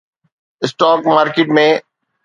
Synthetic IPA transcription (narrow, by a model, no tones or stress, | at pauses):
ɪsʈaːkmaːɾkeʈmẽ